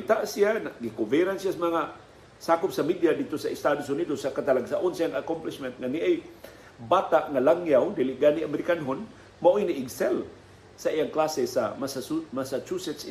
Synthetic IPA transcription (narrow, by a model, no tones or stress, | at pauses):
t̪aʔsijanaɡikovɛɾansijasamaŋa | sakʊp̚samid̪jad̪it̪osaɪst̪ad̪os̬ʊnidosakat̪alaɡsaʔʊnsiaŋakomplɪsmɛnt̪̚ŋaniʔaj | bat̪aʔŋalaŋjawd̪ilɪʔɡaniamɛɾikanɦon | maʔojniʔɪɡsɛl | saijaŋklasesamasamasat͡ʃusɛt̪s